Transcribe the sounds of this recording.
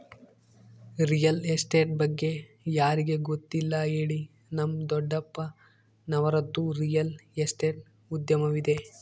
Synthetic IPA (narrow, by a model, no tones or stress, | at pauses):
ɾijɐlesʈeːʈ̚bɐɡːe̞ | jaːɾiɡe̞ɡot̪ːilːɐɦeːɭi | nɐmd̪ɔɖːɐpːɐ | nɐʋɐɾɐd̪ːuɾijɐlesʈeːʈ̚ | ud̪jɐmɐʋid̪e̞